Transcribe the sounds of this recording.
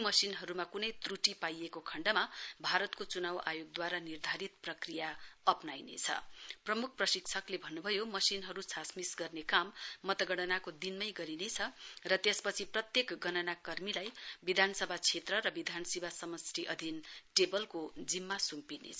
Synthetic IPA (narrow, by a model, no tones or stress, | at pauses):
mʌsinɦʌɾumakunʌjt̪ruʈipajekokʰʌɳɖʌmabʱaɾʌt̪kot͡sunawajoɡ̚d̪waɾanird̪ʱaɾit̪prʌkrijaʌpnajnḛt͡sʰʌ̰prʌmuk̚ʰprʌsikt͡sʰʌklebʱʌnːubʱʌjomʌsinɦʌɾusʰasmisɡʌrnekamːʌt̪ʌɡʌɽ̃ʌnakod̪inmʌjɡʌɾinet͡sʰʌrʌt̪espʌt͡sʰiprʌt̪jekɡʌnʌnakʌrmilajbid̪ʱanʌsʌbʱat͡sʰet̪rʌɾʌbid̪ʱanʌsibasʌmʌsriʔʌd̪ʱinʈebʌlkod͡zimːasumpinḛt͡sʰ